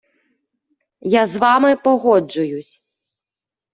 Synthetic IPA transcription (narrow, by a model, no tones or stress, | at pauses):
jazvamɨpɔɣɔd͡ʐujusʲ